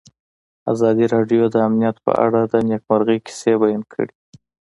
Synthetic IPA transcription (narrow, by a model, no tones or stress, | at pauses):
a̰zɑd̪iɾɑɖjod̪əamnijat̪pə̰ʔa̰ɽad̪ənjakmaɾɣəjki̥sebajankʰə̰ɽi